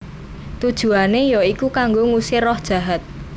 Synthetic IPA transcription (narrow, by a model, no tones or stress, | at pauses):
t̪ud̥ʒ̥ṳanejoikukaŋɡoŋusɪrɔhd̥ʒ̥ä̤ɦat̪̚